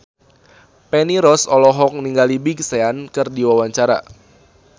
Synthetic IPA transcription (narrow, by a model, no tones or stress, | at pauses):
pɛniɾɔsɔlɔɦɔk̚niŋɡalibiɡseankɨrdiwawaɲt͡ʃaɾa̰